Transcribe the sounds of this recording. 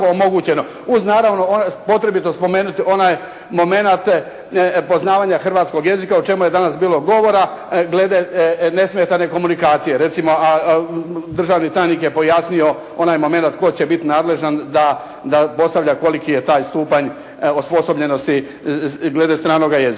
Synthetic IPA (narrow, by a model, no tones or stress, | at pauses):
oomo̞ɡuːt͡ɕe̞no | uznaːɾaʋno̞opo̞t̪ɾe̞bit̪ospo̞me̞ːnut̪io̞naj | mo̞me̞nat̪ | po̞znaːʋaːɲaxr̩ʋaːt̪sko̞ɡje̞zikaot͡ʃe̞muje̞d̪anasbiːlo̞ɡo̞ʋo̞ɾa | ɡled̪ene̞smjet̪ane̞ko̞munikaːt̪sijeɾe̞t̪simo̞ʔa | d̪r̩ʒaːʋnit̪ajnikje̞po̞jasnio̞ | o̞najmo̞me̞nat̪ko̞jt͡ɕebit̪inaːd̪le̞ʒand̪a | d̪apo̞st̪aʋʎako̞likije̞t̪aːjst̪uːpaɲ | ospo̞so̞bʎe̞no̞st̪i | ɡle̞d̪est̪ɾaːno̞ɡajezi